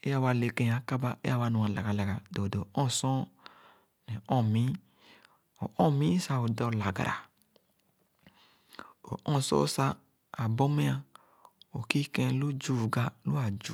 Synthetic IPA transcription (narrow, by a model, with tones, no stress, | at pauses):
e˦ja˧wa˧le˧kɛ̃˧˨ã˨˦ka˦ba˧ḛ˦a˦wa˧˦nũ˨ã˨la̰˨ɡa˨la˨ɡa˨do˨do˨ɔ̃˦sɔ̃˦ | nɛ̃˨ɔ̃˦˨mĩ˦ | o˨ʔɔ̃˦mĩ˦sa˧o˨dɔ˧la˨ɡa̰˨ɾa̰˨ | o̰˨ʔɔ̃˦˨sɔ̰˦saː˧˨ | bɔ˦mẽ˦a˧ | o˨ki˦kɛ̃˧lu˦d͡ʒu˦˨ɡa˧lu˦a˨d͡ʒu˨